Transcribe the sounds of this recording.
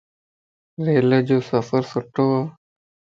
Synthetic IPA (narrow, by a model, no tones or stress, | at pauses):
ɾeːlad͡ʒoːsəfəɾsəʈoːaː